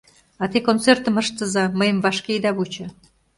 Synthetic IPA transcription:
ɑt̪ekont͡sert̪əməʃt̪əzɑməjəmvɑʃkejd̪ɑβut͡ɕɤ̆

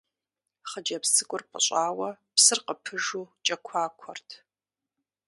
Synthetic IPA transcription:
χəd͡ʒɐpsɨkʷʼʊrpʼə̰ɕʼaːwɐ | psɨrqəpʰɨʒuːt͡ʃʼɐkʷʰaːkʷʰɔrtʰ

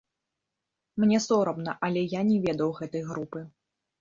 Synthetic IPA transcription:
mnʲɛsɔɾɐmnɐʔɐlʲɛjanʲɛvʲɛd̪ɐwɣɛt̪ɐjɣɾupɨ

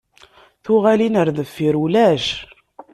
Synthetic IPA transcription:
θʊʁælinəɾðəfːiɾulæʃ

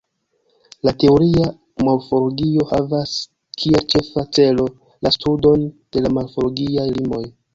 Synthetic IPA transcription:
late̞oɾia | malfoɾɡio̞havas | kʰielt͡ʃe̞fat͡se̞lo̞ | lastudo̞nd̥e̞lamalfoloɡiajlimo̞j

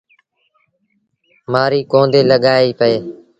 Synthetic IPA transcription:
maːɾiːkõːnd̪eːləɠaːiːpəeː

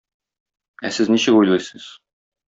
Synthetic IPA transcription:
æsɘzniɕɘkujlˠɤjsɤz̥

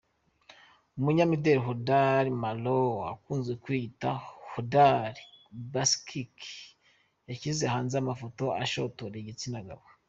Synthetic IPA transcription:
umuɲamideɾiɦodaɾimaloa̰kuːnzɡekwitahodaɾibaskʰik | jacizehaːnzamafoto̞a̰ʃotoɾeɟit͡sinaɡa̰βo

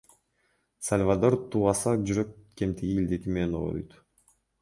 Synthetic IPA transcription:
salʲvad̪o̞ɾt̪uːʁɑsɑd͡ʒyɾøkke̞mt̪ʰiɡʲiːld̪e̞t̪imeno̰ɔ̰jt̪

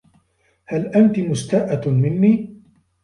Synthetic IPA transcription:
halʔant̪imʊst̪aːʔamɪnːiː

